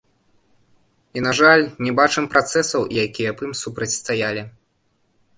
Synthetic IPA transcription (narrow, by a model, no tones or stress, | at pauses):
inaʐalʲnʲɛbat͡ʂɨmpɾat̪sɛsɐwjakʲijɐpɨmsupɾɐt͡sʲst̪ajalʲi